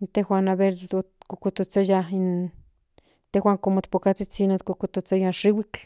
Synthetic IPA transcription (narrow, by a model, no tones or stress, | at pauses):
nt̪ehwanaβeɾokokot̪ot͡sajain | t̪ewaŋkomot̪pokat͡sit͡sinot̪kokot̪ot͡sajanʃiwik